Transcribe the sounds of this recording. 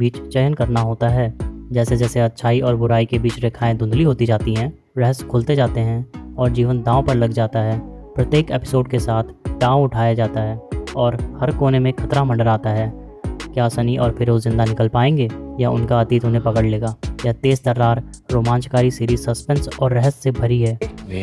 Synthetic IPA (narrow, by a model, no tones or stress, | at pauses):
biːt͡ʃt͡ʃɛɦənkɐɾnaɦoːt̪aɦɛːd͡ʒɛːsed͡ʒɛːseɐt̪ːʃʰaːiʔɔːɾbʊɾaːikebiːt͡ʃɾeːkʰaːẽd̪ʊ̃nd̪liɦoːt̪id͡ʒaːt̪iɦɛ̃ː | ɾɛɦəskʰʊlt̪ed͡ʒaːt̪eɦɛ̃ɔːɾd͡ʒiːʋənd̪ãːõpɐɾlɐɡd͡ʒaːt̪aɦɛːpɾət̪jeːkeːpɪ̥soːɖkesaːt̪ʰd̪ãːõʊʈʰaːjad͡ʒaːt̪aɦɛːɔːɾhɐɾkoːnemẽkʰɐt̪ɾamɐ̃ɳɖəɾaːt̪aɦɛː | kjaːsɐniʔɔːɾfɪɾoːzɪ̃nd̪anɪkəlpaːẽːŋɡeːjaʊ̰nkaɐt̪iːt̪ɦʊnɦẽpɐkəɽleːɡaːjat̪eːst̪ɐɾːaːɾɾoːmãːnʃkaːɾisiːɾiːzsɐspɛ̃nsɔːɾːɛɦəsːebʱɐɾiɦɛː